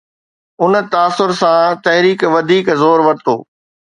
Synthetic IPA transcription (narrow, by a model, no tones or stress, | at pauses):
ʊnə̆t̪aːsʊɾsãt̪ɐɦɾiːkʋɐd̪ʱiːkzoːɾʋɐɾt̪o̰ː